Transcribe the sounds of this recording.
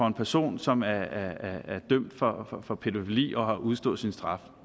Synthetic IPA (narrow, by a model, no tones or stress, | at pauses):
ɒ̽e̝npʰæɐso̝̰ːnsɒ̽mæɐæɐæːɐd̥œm̰d̥fɒ̽fɒfɒ̽pʰe̝dofilḭːɒ̽ɦɑ̈ʔuð̞ˠsd̥ɔ̰̽ð̩ˠsinsd̥ʁɑ̈f